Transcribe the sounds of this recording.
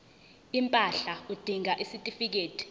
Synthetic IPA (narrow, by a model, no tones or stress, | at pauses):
impʼaɬaud̥ʱiŋaʔisitʼifik̬eːtʰʼi̥